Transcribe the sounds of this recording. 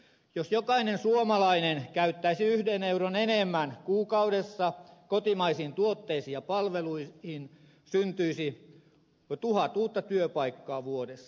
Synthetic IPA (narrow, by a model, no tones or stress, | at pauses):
josjokɑinensuomɑlɑinenkæyt̪ːæisiyhdeneuɾonenemːænkuːkɑudesːɑkot̪imɑisiːnt̪uot̪ːeisiːjɑpɑlʋeluihin | synt̪yisi | t̪uhɑt̪uːt̪ːɑt̪yøpɑikːɑːʋuodesːɑ̥